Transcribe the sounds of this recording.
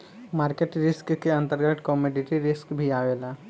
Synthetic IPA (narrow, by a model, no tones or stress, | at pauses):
maːɾkeʈɾɪskkeɐ̃nt̪əɾɡət̪kɔmɔːɖɪʈiɾɪskbʱiaːʋeːlaː